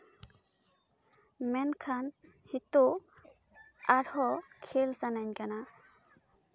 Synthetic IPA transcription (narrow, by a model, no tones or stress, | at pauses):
mɛnkʰan | hit̪o | aɽhɔkʰelsanaɲkana